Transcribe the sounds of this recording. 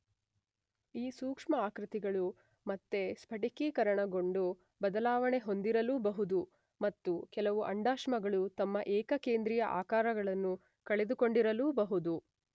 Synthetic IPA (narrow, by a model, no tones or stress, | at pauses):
iːsuːkʂmɐaːkɾit̪iɡɐɭu | mɐt̪ːe̞spʰɐʈikikɐɾɐɳɐɡo̞ɳɖu | bɐd̪ɐlaːʋɐɳe̞ɦo̞nd̪iɾɐluːbɐɦud̪u | mɐt̪ːukɛlɐʋuʔɐɳɖaːʃmɐɡɐɭut̪ɐmːɐʔɛːkɐkeːnd̪ɾijɐʔa̰ːkaːɾɐɡɐɭɐnːu | kɐɭe̞d̪uko̞ɳɖiɾɐluːbɐɦud̪u